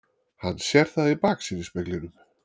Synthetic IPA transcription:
hanːsjɛɾ̥θaðipaːksiːnɪspɛklɪɾʏm

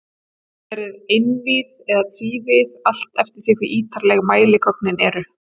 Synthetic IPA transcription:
ɛɾɪðejnviːsɛðat̪ʰviːvɪðal̥t̪ɛft̪ɪɾ̥θɪhkvɪʔiːt̪aɾlɛɣmaːjlɪkʰɔknɪnɛɾʏ

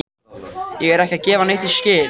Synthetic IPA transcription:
jɛɣɛɾɛhcɪaðcɛːvaneht̪iscɪː

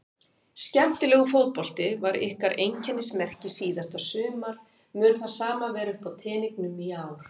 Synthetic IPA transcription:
scɛm̥t̪ɪlɛːɣʏfowt̪̚pɔl̥t̪ɪvaɾɪ̰hkaɾʔejncʰɛnːɪsmɛr̥cɪsiːðast̪asʏːmaɾ̥ | mʏːnθaðsaːmavɛːɾʏhpawt̪ʰɛːniknʏmiaːwɾ̥

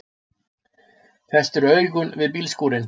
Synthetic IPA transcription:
θɛst̪ɛɾœːɥɾɣʏnvɪðpiːlskuːɾɪn

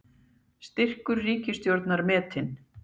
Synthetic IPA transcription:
st̪ɪr̥kʏɾːiːcɪst̪jowɾt̪naɾmɛːt̪ɪn

